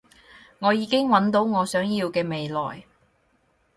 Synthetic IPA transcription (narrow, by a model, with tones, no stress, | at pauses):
ŋɔː˨˧jiː˨˧kɪ˥ŋwɐ˨˥nt̪o˨˥wŋɔː˨˧sœː˨˥ŋjiː˧wkɛː˧me˨jlɔ̰ː˨˩j